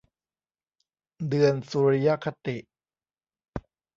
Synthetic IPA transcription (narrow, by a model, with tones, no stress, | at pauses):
dɯ˧ənsuː˧ɾi˦˧ja˦˥kʰa˧t̪i˨˩ʔ